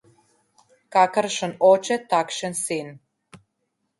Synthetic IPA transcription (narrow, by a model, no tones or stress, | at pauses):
kakəɾʃənot͡ʃet̪akʃensin